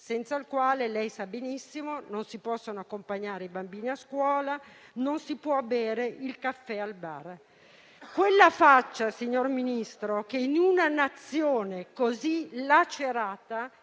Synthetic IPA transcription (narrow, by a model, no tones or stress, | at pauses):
sɛnt̪sailkwaːlelɛjsabenisːimononsipɔsːonoakːompaɲːaːɾeibambiːniaskwɔːlanonsipwɔbɛːɾeʔilkafːɛalba̰r | kwelːafat͡ʃːasiɲːorminist̪ɾokeinunanat̪sːjoːnekozilat͡ʃːeɾaːt̪a